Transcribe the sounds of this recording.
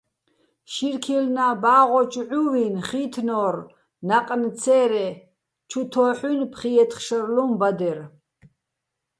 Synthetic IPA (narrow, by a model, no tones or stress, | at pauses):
ʃiɾkʰilnabaːʁɔt͡ʃʼʕuvinχiːt̪ʰnɔːr | naqʼnt͡sʰɛːɾɛ | t͡ʃʰut̪ʰɔːħunpʰχiɛt̪ʰχʃərlumbad̪ɛɾ